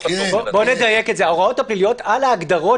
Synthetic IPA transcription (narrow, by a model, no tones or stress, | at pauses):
bobo̞ne̞d̪aje̞ketzeao̞ʁao̞thaplilijo̞talaːɡd̪aʁo